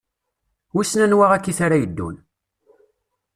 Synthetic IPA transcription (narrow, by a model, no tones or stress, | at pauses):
usnænwaʁækːiθaɾajəd̪ːṵn